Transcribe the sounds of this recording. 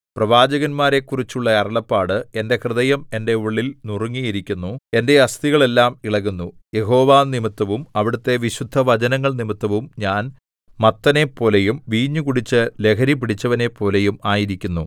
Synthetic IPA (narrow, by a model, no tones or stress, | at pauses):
prɐʋaːd͡ʑɐɣɐnmaːɾe̞kːurit͡ɕːuɭːɐɐrɐɭɐpːaːɽɨe̞nde̞krɨðɐjɐme̞nde̞uɭːilnuruŋːijiɾikʲːunːue̞nde̞ɐst̪iɣɐɭe̞lːaːmiɭɐɣunːuje̞ɦo̞ːʋaːnimit̪ːɐʋumɐʋiɽut̪ːe̞ʋiɕud̪ʱːɐʋɐd͡ʑɐnɐŋːɐɭnimit̪ːɐʋumɲaːn | mɐt̪ːɐne̞pːo̞ːlejumʋiːɲːukuɽit͡ɕːɨle̞kʰɐɾip̬iɽit͡ɕːɐʋɐne̞pːo̞ːle̞jumaːjiɾikʲːunːu